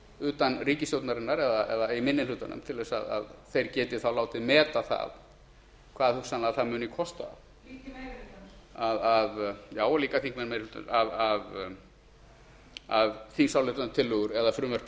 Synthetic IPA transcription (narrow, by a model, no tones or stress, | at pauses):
ʏːt̪anriːcɪsjowt̪naɾɪnːaɾɛðaʔɛðaimɪnːɪnlʏːt̪anʏ̰mt̪ʰɪlvɛsa̰ða̰ðθejɾcɛːt̪ɪ̥θawlaːwt̪ɪmɛːt̪aθa̰ð | kʰvaːðhusanlaθaðmʏːnɪkʰɔst̪a̰ | aðavjaːwaliːkaθiŋkmɛnmeluːt̪an̰aðav | aðθiŋsawlɪt̪ant̪ʰɪlːʏɣʏɾɛðafɾʏːmœɾ̥p̪